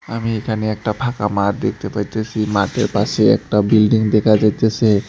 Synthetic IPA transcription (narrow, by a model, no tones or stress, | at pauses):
amiekʰaneɛk̚ʈapʰakamaɾd̪ek̚ʰt̪epaɾt͡ɕʰet͡ɕʰimat̪eɾpaʃeɛ̰k̚ʈabilɖiŋd̪ekʰad͡ʑajt̪ʰese